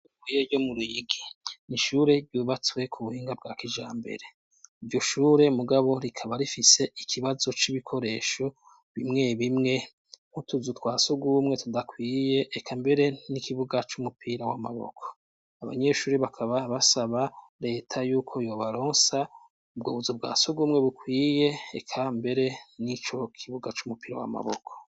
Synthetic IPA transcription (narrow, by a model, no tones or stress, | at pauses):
kwijeɟo̞muɾuiɡiniʃuːɾe̞dɟuːβat͡swe̞kʰuβuhiːŋɡab̚ɡaːkiʒaːmbḛɾe̞ | ivɟo̞ʃuːɾe̞muɡaβo̞ɾikʰaβaɾifise̞ʔikʰiβazo̞t͡ʃiβikʰo̞ɾe̞ʃo̞ | βimŋe̞βimŋe̞ | ŋutuzutwaːsuɡuːmŋe̞tudakwiːje̞ʔːkʰambe̞ɾe̞nikʰiβuɡat͡ʃumupʰiːɾawama̰βo̰kʰo̥ | aβa̰ɲe̞ʃuːɾeβakʰaβaβasaβaɾe̞ːtʰajuːkʰo̞jo̞ːβaɾoːnsa | ubɡoːβuzob̚ɡa̰ːsoɡumŋe̞βukwiːje̞ːkʰambe̞ɾe̞nit͡ʃo̞kʰiβuɡat͡ʃumupiːɾa̰wa̰ma̰βo̰kʰo̥